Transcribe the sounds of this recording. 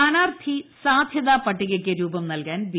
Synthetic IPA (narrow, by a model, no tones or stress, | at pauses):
aːnaːrt̪ʰisaːd̪ʱjɐðaːpɐʈːiɣɐkʲːeɾuːbɐmnɐlkaːnʋi